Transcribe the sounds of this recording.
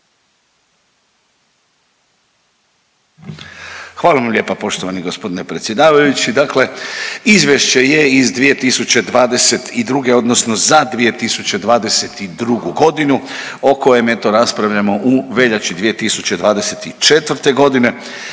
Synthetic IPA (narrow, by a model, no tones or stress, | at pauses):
xʋaːlˠaʋamʎʲe̞ːpapo̞ʃt̪oʋaniɡo̞spo̞d̪ine̞pɾe̞t̪sjed̪aːʋajut͡ɕid̪akle̞izʋʲjeʃt͡ɕe̞je̞izd̪ʋije̞t̪isut͡ɕe̞d̪ʋaːd̪e̞se̞t̪id̪ɾuɡe̞o̞d̪nosno̞zad̪ʋije̞t̪isut͡ɕe̞d̪ʋaːd̪e̞se̞t̪id̪ɾuɡuɡo̞d̪inu | o̞ko̞jemet̪oɾaspɾaʋʎamo̞ʔuʋe̞ʎat͡ɕid̪ʋije̞t̪isut͡ɕe̞d̪ʋaːd̪ese̞t̪it͡ʃe̞t̪ʋr̩t̪e̞ɡo̞d̪ine̞